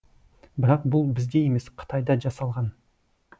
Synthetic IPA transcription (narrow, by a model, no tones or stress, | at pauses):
bɪɾɑq̚bʊlˠbɪzd̪eje̞me̞sqʰə̥t̪ʰɑjd̪ɑʒɑsɑlˠʁɑn